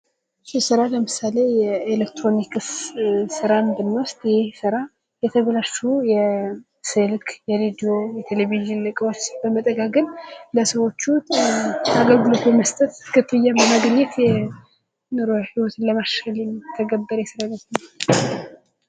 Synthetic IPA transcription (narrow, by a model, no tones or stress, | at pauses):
sɪsɨɾaləmɨsale̞jɛelekt̪ɾo̞nikssɨɾaɨnd̪ɨnːwʊst̪jhsɨɾa | jɛt̪ʰəβəlaʃːujɛ | sɨlkʰjɛɾed̪io̞jɛt̪ʰeleviʒɨnlɨkʼwabəmət̪ʼəɡaɡɨnləsəwo̞t͡ʃːu | aɡəlɡɨlo̞t̪ʰuməst̪ʼət̪kʰɨt̪ʰːɨjːabəmaɡɲːɛt̪jɛ | nɨɾohiwɔt̪ʰnləmaʃəlimt̪ʰəɡəbːəɾjɛsɨɾant̪nə